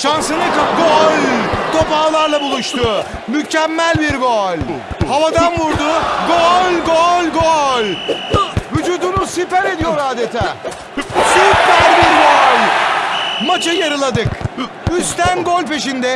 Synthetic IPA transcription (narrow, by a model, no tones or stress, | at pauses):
ʃansɯnɯkapɡolʲt̪ʰo̞paːlˠaɾlˠabulˠuʃt̪ʰʊ | mycæmːælʲbiɾɡoɔlʲ | havad̪anvuɾd̪ʊɡolʲɡolʲɡolʲ | vyd͡ʒuːd̪unusifæɾe̞d̪ijo̞ɾaːd̪et̪ʰaː | sypæɾʲbiɾɡolʲ | mat͡ʃʰɯjaɾɯlˠad̪ɯk | yst̪ʰænɡolʲpe̞ʃind̪ɛ